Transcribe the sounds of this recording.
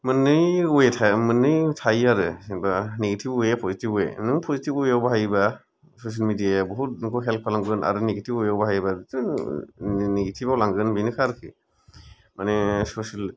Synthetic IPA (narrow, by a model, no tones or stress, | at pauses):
mɯnɯjuetʰamɯnɯjtʰajaɾɯsiŋbaniɡitʰibujepʰɔzitibɔḛnɯŋpʰɔzitibɔjawbaɦajba | sos̬ialmidijabɔɦut̚nkʰɔɦelk̚pʰalamɡɯna̰ɾɯniɡitʰipɔjawbaɦajbatɯ | niɡitʰibawlaŋɡɯnbinɯkʰaɾkʰi | manesosal